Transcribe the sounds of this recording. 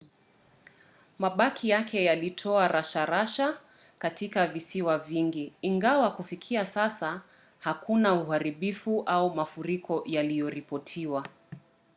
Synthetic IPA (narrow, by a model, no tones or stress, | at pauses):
maɓakʰijakʰɛjalitʰɔaɾaʃaɾaʃa | katikavisiwaviŋɡiːŋɡawakufikʰiasasa | hakunauhaɾiɓifuʔaumafuɾikɔjalijɔɾipɔtʰiwa